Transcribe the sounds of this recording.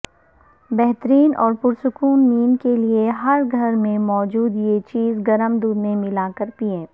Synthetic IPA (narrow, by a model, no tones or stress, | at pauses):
bɛɦt̪əɾiːnʔɔːɾpʊɾsʊkuːnːiːnkelieɦɐɾɡʱɐɾmẽmɔːd͡ʒuːd̪jet͡ʃiːzɡɐɾəmd̪uːd̪mẽmɪlaːkəɾpiẽː